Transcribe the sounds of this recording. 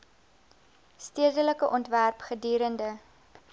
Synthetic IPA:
stiədələkəʔɔntværpχədiːɾəndə

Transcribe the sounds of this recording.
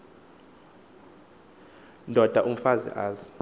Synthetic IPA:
ndʱɔd̥ʱaʔum̩fazḭʔaːzi̥

